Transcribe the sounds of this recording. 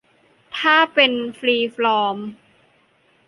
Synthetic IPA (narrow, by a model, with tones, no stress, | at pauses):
t̪ʰaː˥˩pe˧nfliː˧flɔː˧m